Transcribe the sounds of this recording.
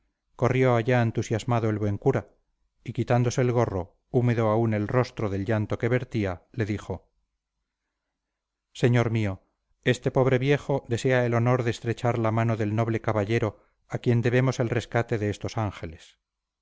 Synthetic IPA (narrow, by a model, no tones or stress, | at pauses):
ko̞rjo̞aʎaent̪usjazmaðoe̞lβwe̞ŋkuɾa | ikit̪and̪o̞se̞ːlɣ̞o̞ro̞ | ume̞ðo̞aune̞lro̞st̪ɾoðe̞lʝant̪oke̞βe̞ɾt̪iale̞ðixo̞ | se̞ɲo̞ɾmio̞ | e̞st̪e̞po̞β̞ɾe̞βje̞χo̞ðe̞se̞aelono̞ɾðeːst̪ɾe̞t͡ʃaɾlamano̞ðe̞lno̞β̞le̞kaβaʎe̞ɾo | akje̞nd̪e̞βe̞mo̞se̞lre̞skat̪e̞ðe̞est̪o̞saŋxe̞le̞s